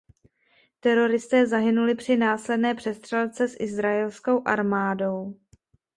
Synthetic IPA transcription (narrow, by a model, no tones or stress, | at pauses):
t̪ɛɾo̞ɾɪst̪ɛːzaɦɪnulɪpr̥ɪnaːslɛdnɛːpr̥ɛst̪r̥ɛlt͡sɛsʔɪzɾaɛlsko̞wʔaɾmaːdo̞w